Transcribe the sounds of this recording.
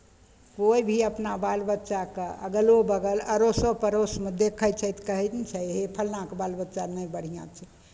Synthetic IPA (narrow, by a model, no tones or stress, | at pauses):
koibʱiəpnabalbətːʃakəə̰ɡəlobəɡələɾosə̃pəɾosmed̪ekʰəjt͡ʃʰɛt̪kəɦɛt̪t͡ʃʰɛɦepʰəlnãkbalbətːt͡ʃanəjbəɽ̤ijã̰t͡ʃʰɛ